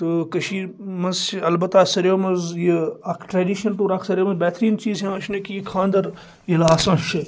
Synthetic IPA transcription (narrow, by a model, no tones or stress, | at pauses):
t̪ɨkɐʃiːmɐzɐlbɐt̪ːaːsɐɾjoːmɐzjiɐkʰʈɾeːɖiːʃɐnt̪uːɾaːkʰsɐɾjoːmɐzbɛːt̪ɾiːnt͡ʃiːzɦẽɐʃʰnɐkijikʰãːnd̪ɐɾ | jilaːsɐ̃ʃʰi